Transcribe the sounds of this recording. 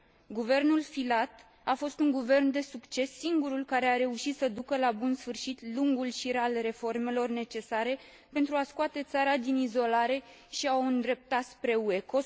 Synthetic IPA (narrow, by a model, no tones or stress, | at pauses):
ɡuve̞rnulfilat̪ | afo̞st̪uŋɡuve̞rnd̪e̞sukt͡ʃe̞sːiŋɡuɾulkaɾe̞aɾe̞uʃit̪səd̪ukəlabunsfɨrʃit̪luŋɡulʃiɾalre̞fo̞rme̞lo̞rne̞t͡ʃe̞saɾe̞ | pe̞nt̪ɾuaskuat̪e̞t̪saɾad̪inizo̞laɾe̞ | ʃiawɨnd̪ɾe̞p̚t̪at̪spɾe̞ue̞ko̞